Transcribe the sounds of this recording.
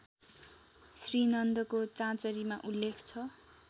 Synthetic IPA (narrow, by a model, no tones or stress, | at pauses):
srinʌnd̪ʌkot͡sãt͡sʌɾimaʔulːekʰt͡sʰʌ